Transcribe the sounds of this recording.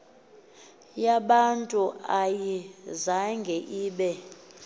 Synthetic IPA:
jaɓantʼuajizaŋɡʱɛʔiːɓɛ

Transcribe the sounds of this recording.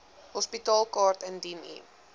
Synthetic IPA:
ɦɔspitɑːlˠkɑːrtɛndinḭ

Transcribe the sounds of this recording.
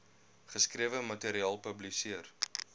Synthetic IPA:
χəskriəvəmɐteɾiɑːlˠpəblisiər

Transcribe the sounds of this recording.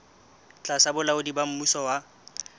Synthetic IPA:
t͡ɬʼasabʊlaʊdibam̩musɔwa

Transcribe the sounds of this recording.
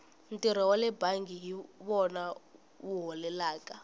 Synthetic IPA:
ntʼiɾ̤ɔwalɛbaŋɡʱiɦiβɔna | uɦɔlɛlaːkʼa

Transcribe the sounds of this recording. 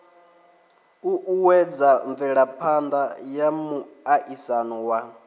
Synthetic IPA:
uʔuwɛd͡zaɱvɛɺapʰand̪ajamuaʔisanuwa

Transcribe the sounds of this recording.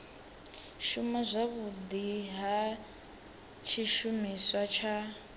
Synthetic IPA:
ʃumazʷaβud̪iɦa | t͡ʃʰiʃumiswat͡ʃʰa

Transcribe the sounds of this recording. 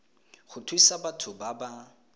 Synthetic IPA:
χʊtʰwisabatʰʊbaba

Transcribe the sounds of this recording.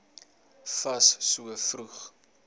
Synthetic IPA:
fɐssuəfruχ

